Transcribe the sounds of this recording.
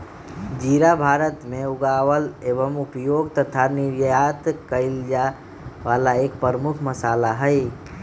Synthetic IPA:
d͡ʒiːɾabʱaːɾət̪mẽʊɡaːʋəleʋəmupjoːɡt̪ət̪ʰaniɾjat̪kəɪld͡ʒa | ʋaːlaeːkpəɾəmʊkʰməsaːlaɦəɪ

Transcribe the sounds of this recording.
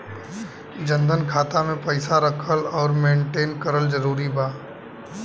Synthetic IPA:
d͡ʒə̃nd̪ʱənkʰaːt̪amẽpəɪsaɾəkʰəlɔːɾmẽːɳʈeːnkəɾəld͡ʒəɾuːɾibaː

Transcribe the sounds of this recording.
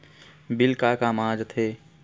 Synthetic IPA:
bɪlkakamãːd͡ʒt̪ʰeː

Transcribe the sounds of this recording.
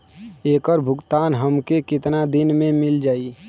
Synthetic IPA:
eːkəɾbʱʊɡt̪aːnɦəmkekɪt̪nad̪ɪnmẽmɪld͡ʒaːi

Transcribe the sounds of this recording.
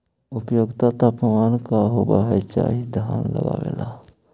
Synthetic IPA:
ʊpəjoɡt̪at̪apəmaːnkaɦobaɦɛt͡ʃa̰ːɦid̪ʱjaːnlə̰ɡaʋḛːla

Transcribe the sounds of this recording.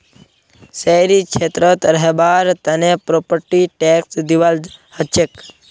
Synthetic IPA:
sejɾikt͡ʃʰet̪ɾət̪ɾəɦebaɾt̪ənepɾopəɾʈiʈeksd̪iʋalhət͡ʃek

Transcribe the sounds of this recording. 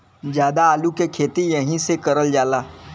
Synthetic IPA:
d͡ʒjaːd̪aaːlukekʰeːt̪ijɐɦĩsekɐɾəld͡ʒaːlaː

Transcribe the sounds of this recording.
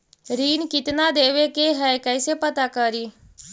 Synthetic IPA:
ɾiːnkɪt̪nad̪eːʋekeɦɛjkəjsepət̪akəɾiː

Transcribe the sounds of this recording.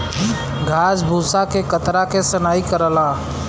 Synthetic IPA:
ɡʱaːsbʱusakekət̪ɾakesənaːikəɾəlaː

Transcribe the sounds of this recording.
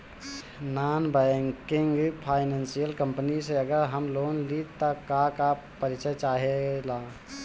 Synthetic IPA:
naːnbɛŋkiŋɡpʰaːɪnə̃nsijəlkəmpniseəɡəɾɦəmloːnlit̪ːakaka | pəɾɪt͡ʃət͡ʃaːɦelaː

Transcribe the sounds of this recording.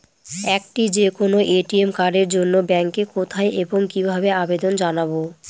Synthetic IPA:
ɛkʈid͡ʑekonoʔeʈiemkaɾeɾd͡ʑonːobɛŋkekot̪ʰaeʔeboŋkibʱabeabed̪ond͡ʑanabo

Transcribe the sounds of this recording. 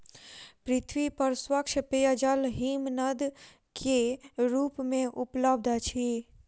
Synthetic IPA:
pɾɪt̪ʰwipɐɾswəkʃəpeːjəd͡ʒəlɦiːmnəd̪ | kʰeɾuːpmẽʔʊpləbd̪ʱat͡ʃʰi

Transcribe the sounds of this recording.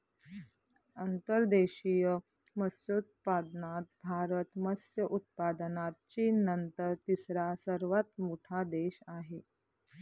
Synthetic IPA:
ənt̪əɾd̪eɕijə | məsut̪̚pad̪nat̪̚bʱaɾət̪məsjəʔut̪̚pad̪ənat̪̚t͡ɕiːnənt̪əɾt̪isɾasəɾʋat̪moʈʰad̪eɕaɦe

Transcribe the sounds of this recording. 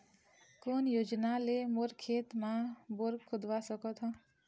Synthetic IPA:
konjoːd͡ʒnalemoɾkʰet̪mãboɾkʰʊd̪ʱʋasəkɔt̪ʰɦɔ̃

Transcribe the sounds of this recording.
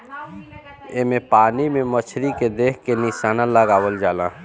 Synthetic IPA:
emẽpaːnimẽmət͡ʃʰɾiked̪eːkʰkenɪʃaːnãləɡaːwəld͡ʒaːlãː

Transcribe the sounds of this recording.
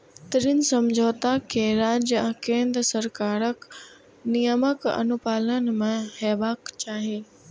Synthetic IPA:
t̪ɪɾinsɐmd͡ʑʱoːt̪akʰeːɾaːd͡ʑ̃kẽːnd̪ɾəsɐɾkaːɾək | nijəməkɐ̰nʊpaːlənɪ̆mẽhɛːbaːkt͡ɕaːɦeː

